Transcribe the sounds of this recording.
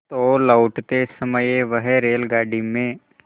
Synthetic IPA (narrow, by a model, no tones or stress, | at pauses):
ɔːlaʊʈt̪esəməjeʋəɦɛɾeːlɡaːɖimẽ